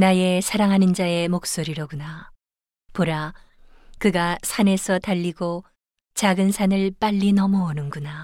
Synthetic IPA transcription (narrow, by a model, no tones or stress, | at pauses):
naje̞sʰaɾaŋɦanɯnd͡ʑae̞mok̚s͈oɾiɾoɡuna | poɾa | kɯɡasʰane̞sʰʌtaʎːiɡo | t͡ɕaɡɯnsʰanɯɭp͈aʎːinʌmʌonɯnɡuna